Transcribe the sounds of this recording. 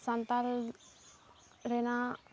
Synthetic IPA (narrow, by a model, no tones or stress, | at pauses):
sant̪al | ɾena